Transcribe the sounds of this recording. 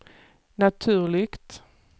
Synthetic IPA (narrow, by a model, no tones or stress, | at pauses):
nat̪ʰʉ̟ːɭɪɡt̪